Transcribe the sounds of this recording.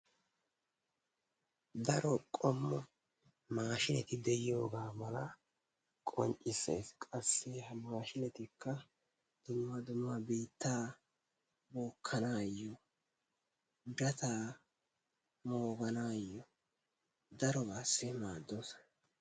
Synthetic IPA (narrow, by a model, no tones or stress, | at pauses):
d̪ɐɾɔkʼɔmːɔ | maːʃɪlɛt̪ɪd̪ɛjɪjo̞ːɡaːmɐlɐ | kʼɔ̰nt͡ʃʼɪsːɛ̰skʼɐsːɛhɐmaːʃɪnɛt̪ɪkʰːɐ | d̪̥ʊmːɐd̪ʊmːɐbiːt̪ːaː | boːkʰːɐnaːjːɔ | d̪ɐt̪aː | moːɡɐnaːjːɔ | d̪ɐɾɔbaːsːɛmaːd̪ːoːs